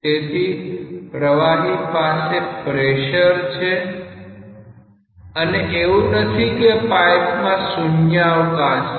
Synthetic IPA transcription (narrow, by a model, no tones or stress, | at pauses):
t̪et̪ʰi | ɾəʋanipasepɾeʃəɾt͡ʃʰe | əneʔeʋũnət̪ʰikepajpmãsunjaʋk̪at͡ʃ